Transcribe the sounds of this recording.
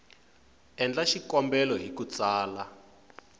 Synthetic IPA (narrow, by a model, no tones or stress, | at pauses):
ɛnd͡ɮaʃikɔmbɛlɔɦikut͡saːla